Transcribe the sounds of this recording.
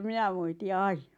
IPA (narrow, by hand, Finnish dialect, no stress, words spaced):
minæ moiti̥ ɑin̥ɑ̥